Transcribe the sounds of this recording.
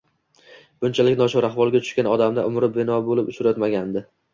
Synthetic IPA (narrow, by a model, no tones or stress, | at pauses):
b̥ʊnt͡ʃʰalɪkʲnɒʃʊɾaχvɒlˠɡʲat̪ʰʊ̥ʃkʲanɒd̪amd̪a̰ʔʊmɾɪp̚bɪnɒbolɪpʊʃʊɾajt̪maɡʲand̪ɪ